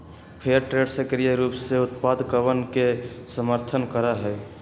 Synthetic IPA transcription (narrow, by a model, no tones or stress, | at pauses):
pʰeəɾʈɾeɖsəkɾijəɾuːpseut̪pad̪kəʋənkesəməɾt̪ʰənkəɾaɦɛ